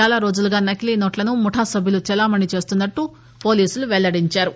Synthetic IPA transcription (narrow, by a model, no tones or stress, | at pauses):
aːlaːɾo̞ːd͡ʒuluɡaːnɐkilinoːʈlɐnumuʈʰaːsɐbʱjilut͡ʃɛlaːmɐɳɖit͡ʃe̞ːst̪unːɐʈːu | po̞ːliːsuluʋɛɭːɐɽiɲt͡ʃaːɾu